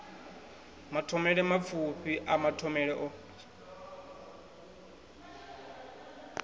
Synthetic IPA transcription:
matʰɔmɛɺɛmap̪fʰupʰiʔamatʰɔmɛɺɛʔɔ

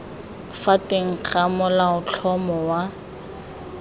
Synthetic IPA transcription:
fateŋ̩q͡χʰamʊlaʊt͡ɬʰɔmɔwa

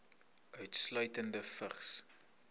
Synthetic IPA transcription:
œɥtslœɥtəndəfəχs

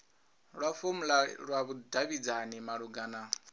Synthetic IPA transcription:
ɺwafomulaɺwaβudaβid͡zanimaɺuɡana

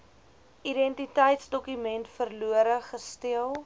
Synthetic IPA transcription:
idɛntitəjtsdɔkymɛntfərluəɾəχəstiəlˠ

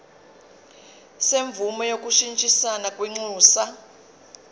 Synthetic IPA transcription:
seɱvumɔjok̬ʼuʃint͡ʃʼisanakʼwiŋ͡ǀuːsa

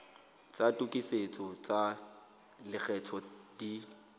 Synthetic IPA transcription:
t͡satʼukʼiset͡sʼɔt͡sʼa | lɪk͡xɛt͡sʰɔd̥i

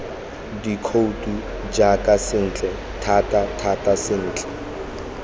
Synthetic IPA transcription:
dikʰoutʼu | d͡ʒakʼasɪn̩ːt͡ɬʼɛ | tʰatʼatʰatʼasɪn̩ːt͡ɬʼɛ̥

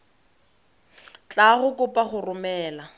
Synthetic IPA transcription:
t͡ɬʼaχʊkʼʊpʼaχʊrʊmɛːla

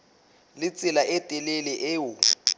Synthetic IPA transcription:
lɪt͡sʼɪlaʔɛtʼɛlelɛʔeːʊ

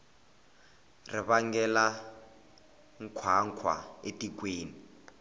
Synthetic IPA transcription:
rɪβaŋɡɛla | ŋ̩kʰwaŋkʰwa̰etʼik̬weːni

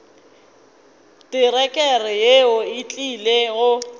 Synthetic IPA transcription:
tɪrɛkʼɛrɪjeʊɪt͡ɬʼileɣʊ

